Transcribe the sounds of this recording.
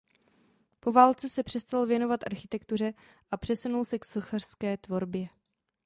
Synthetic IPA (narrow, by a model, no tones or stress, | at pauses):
po̞vaːlt͡sɛsɛpr̝̥ɛst̪alvjɛno̞vat̪ʔaɾxɪt̪ɛkt̪ur̝ɛ | ʔapr̝̥ɛsunulsɛksoxar̥skɛːt̪vo̞ɾbjɛ